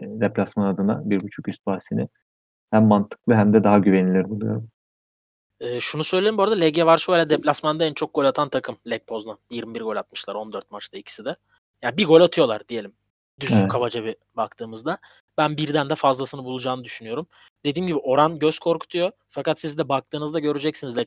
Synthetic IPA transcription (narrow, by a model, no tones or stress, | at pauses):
d̪ɛplʲasmanad̪ɯna̰biɾbut͡ʃʰukyst̪̚baːsinɪ | hæmːant̪ʰɯ̥klˠɯɦæmd̪ɛd̪aɦaɟyvenilʲiɾbunˠujo̞̰ɾum | ɛːʃunusø̞jlʲe̞ɾimboɾad̪alʲɛɟɛvaɾʃbojlʲad̪ɛplʲasmand̪aænt͡ʃʰo̞k̚ɡ̥o̞lʲat̪ʰant̪ʰakʰɯmlʲɛc̚pʰo̞zlˠajiɾmibiɾɡo̞lʲat̪̚mɯʃlˠaɾo̞nd̪øɾt̪̚mat͡ʃd̪ˠaicʰi̥sid̪ɛ | jabiɡo̞lʲat̪ʰɯjo̞lˠaɾd̪ije̞lʲim | d̪yskʰavad͡ʒaβɯ | bak̚t̪ʰɯːmɯzd̪a | bænbiɾd̪ænd̪ɛfazlˠasɯnɯbulˠud͡ʒaːnɯd̪yʃynyjo̞ɾum | d̪̥e̞d̪iːmɟibiʔo̞ɾanɟøz̥kʰo̞ɾkʰu̥t̪ʰujo̞ | fakat̪sizd̪ɛbak̚t̪ʰɯːnɯzd̪aɟø̞ɾyd͡ʒɛcsinizlʲɛ